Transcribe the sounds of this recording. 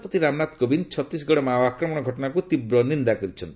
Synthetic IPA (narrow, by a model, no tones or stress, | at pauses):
pɔt̪iɾamnat̪kobint͡ʃʰɔt̪ɾis̬ɡɔɽɔmaɔakɾɔmɔɽ̃ɔɡʱɔʈɔnakut̪ibɾɔnind̪akɔɾit͡ʃʰɔn